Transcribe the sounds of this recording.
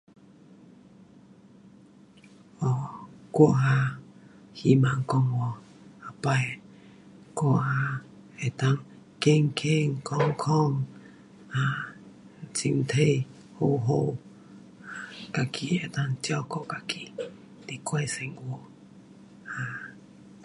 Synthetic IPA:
ɔ˨kwo˧˦˨ʔɦa˧ | hi˧ma˨ŋ˨kɔ˧ŋwɔ˨ | a˨pa˧˨j | kwo˧˨ʔha˧ | e˨t̪a˦ŋ | ke˦˨ŋ̩˨kʰe˦˨ŋ̩˨kɔ˦ŋ˦kʰɔ˦˨ŋ | a˧˨ | t͡si˧˨ŋt̪ʰe˦˨ | ho˧˨ɦo˦˨ | ka˨kʰi˧˨e˨t̪a˦ŋt͡ɕjɔ˦˨ko˨ka˨ki˦˨ | t̪i˨kwe˧˦˨se˨ŋwo˧˨ | ha˧˨

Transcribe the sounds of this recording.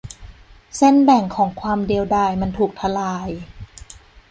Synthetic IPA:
se˥˩nbɛ˨˩ŋkʰɔː˩˦ŋkʰwaː˧mdi˧əwdaː˧˥˩jma˧nt̪ʰuː˨˩k̚t̪ʰa˧laː˧j

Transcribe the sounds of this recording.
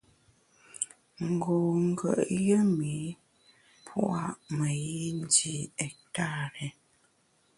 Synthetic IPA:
ŋ̩˨ɡo˨ŋ̩˦˨ɡə̰˨ʔjə˦mi˨˦ | pʰw̰ʔa˦ʔmə˨ji˦n˦di˨ɛ˨k̚ta˦˨ɾɛ˨

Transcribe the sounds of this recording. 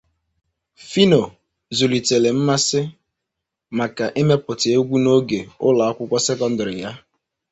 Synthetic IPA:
fi˦no˨ | zu˨li˨te˨le˨m̩˦ma˦sɪ˦ | ma˨ka˨ʔe˦me˦pʊ˨tɪ˨˦o˦ɡʷu˦no˦ɡe˨ʊ̰˦la˨a˦kʷʊ˦kʷɔ˦se˦kɔ˦n̩˦dɔ˨ɾɪ˨ja˦

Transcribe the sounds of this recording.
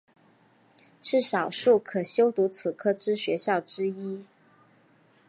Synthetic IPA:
ʈ͡ʂɻ̩˥˩ʂɑ˨˩ʊʂu˥˩kʰɤ˨˩ɕjo˥ʊt̪u˧˥t͡sʰɹ̩˨˩kʰɤ˥ʈ͡ʂɻ̩˥ɕɥɛ˧˥ɕjɑ˥˩ʊʈ͡ʂɻ̩˥i˥

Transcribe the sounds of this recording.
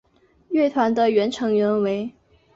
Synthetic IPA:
ɥɛ˥˩t̪ʰwa˧˥nd̪ə˧ɥɛ˧˥nʈ͡ʂʰɤ˧˥ŋɥɛ˧˥nwe˧˥ɪ

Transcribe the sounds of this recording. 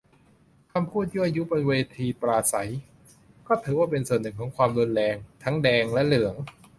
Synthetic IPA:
kʰa˧mpʰuː˥˩t̪̚ju˥˩ʔa˧ju˦˥bo˧nweː˧t̪ʰiː˧pɾaː˧sa˩˦j | kɔː˥˩t̪ʰɯː˩˦waː˥˩pe˧nsu˨˩ənːɯ˨˩ŋkʰɔː˩˦ŋkʰwaː˧mdo˧nlɛː˧ŋt̪ʰa˦˥ŋdɛː˧ŋlɛ˦˥lɯ˩˦əŋ

